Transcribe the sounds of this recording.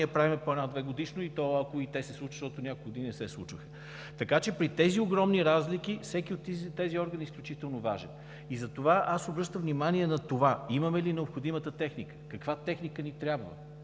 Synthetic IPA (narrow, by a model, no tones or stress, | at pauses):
əpɾavimɛpɐnad̪vɛɡod̪iʃnoit̪ɔɐkoit̪ɛsɛslˠut͡ʃə̥ʃt̪ɔt̪onʲakokɡod̪ininɛsɛslˠṵt͡ʃvəxə̥ | t̪ɐkat͡ʃɛpɾit̪ɛzioɡɾɔmniɾazlik̟ifsɛkʲiot̪ːit̪ːɛziɔɾɡənisklʲut͡ʃit̪ɛlˠnova̰ʒɛ̰n | izɐt̪ovaʔasobɾɤʃt̪əmvnimaniɛnɐt̪ovaimɐmɛlinɛopxod̪imət̪ət̪ɛxnikə̥kɐkvat̪ɛxnikənit̪ɾʲjabvə̰